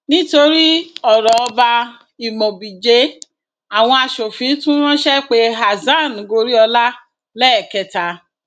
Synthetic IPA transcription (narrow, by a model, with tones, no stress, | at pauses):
nĩ˦to˧ɾi˦ɔ˨ɾɔ˨ɔ˧ba˧ | i˨mɔ̃˨bi˨d͡ʒe˨˦ | a˨w̃ɔ̃˧a˧ʃo˨fĩ˨˦tũ˦w̃ɔ̃˦ʃɛ˦k͡pe˦ɦa˨zã˦˨ñ˨ɡo˧ɾi˦ɔ˧la˦ | lɛ˦ɛ˨kɛ˨ta˧˦